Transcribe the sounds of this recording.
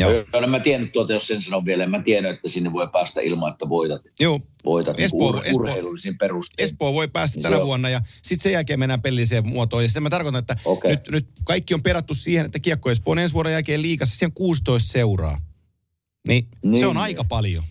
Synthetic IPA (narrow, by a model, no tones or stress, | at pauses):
jɑolemæt̪ienːyt̪tuot̪ɑjossensɑnoʋʋielemmæt̪ienyet̪ːæsinːeʋoˑipæːst̪æ̰ḭlmɑet̪ːæʋoit̪ɑt̪juːʋo̰it̪ɑesoːeurheilulisimperust̪espoːʋoipæːst̪ætt̪ːænæʋuɑnːɑjɑsit̪sejælkeːmenːæːpelːiseːmuot̪oːjɑsit̪æmæt̪ɑrkot̪ɑnet̪ːæoenyt̪nyt̪kɑikːiompeɾɑt̪ːussiːhenet̪ːækiɑkːoespoːnensʋuɑɾojælkeːlliːkɑsːsiheŋkuːst̪oist̪seurɑ̰ː | ninseonɑikɑpɑljo̰